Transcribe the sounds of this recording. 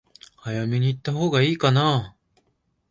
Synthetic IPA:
ajamʲiɲ̟iːt̪ːaɦoːɡaiːkana

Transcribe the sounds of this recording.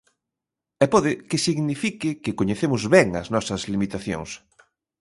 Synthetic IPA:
ɛpɔðɪkɪsiɣnifikɪkɪkoɲeθemʊzβɛŋɐ̰znɔsɐzlimit̪aθjo̰ŋs

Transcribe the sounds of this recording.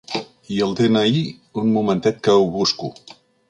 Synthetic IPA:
iəlˠd̪enəi | unmumənt̪ɛt̪̚kəwβusku

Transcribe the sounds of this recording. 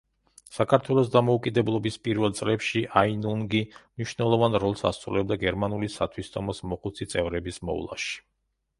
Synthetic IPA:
sakʰaɾt̪ʰwɛlˠɔs̬d̪amɔukʼid̪ɛblˠɔbispʼiɾvɛlˠt̪sʼlɛpʃiʔainuŋɡimniʃnɛlˠɔvanɾɔlˠsa̰st̪sʼɾṵlɛb̚d̪aɡɛɾmanulisa̰t̪ʰwist̪ʰʼɔmɔsmɔqʼut̪sʰit̪sʼɛvɾɛbismɔ̰ṵlˠa̰ʃi̥

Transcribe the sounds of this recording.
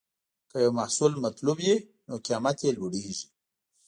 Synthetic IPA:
kəjawmahsulmat̪lubje | nokjamat̪jeloɽeʒi

